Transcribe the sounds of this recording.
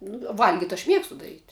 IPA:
nʊ ˈʋɐlʲɡʲɪtʲ ɐʃ ˈmʲiɛkstʊ dɐˈrʲiːtʲ

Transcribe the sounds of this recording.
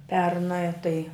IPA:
ˈpʲɛrnɜ tɐɪ

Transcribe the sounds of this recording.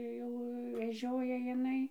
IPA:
ˈjɛʊ ʋʲɛˈʒʲoːjɛ jɪˈnɐɪ

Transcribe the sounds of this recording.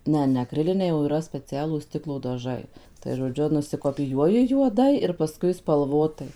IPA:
ˈnʲɛ nʲɛ ɐkˈrʲɪlʲɪnʲɛɪ oː iːˈrɐ sʲpʲɛˈt͡sʲæːlˠuːs ˈsʲtʲɪklˠoː dɐˈʒɐɪ tɐɪ ʒoːˈd͡ʒʲʊ nʊsʲɪkoːpʲɪˈjuɔjɪ juɔˈdɐɪ ɪr pɐˈskʊɪ spɐlˠˈʋoːtɐɪ

